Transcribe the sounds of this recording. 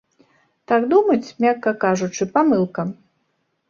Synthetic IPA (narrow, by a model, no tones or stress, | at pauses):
t̪aɡd̪umɐt͡sʲmʲakːɐkaʐut͡ʂɨpamɨlˠkɐ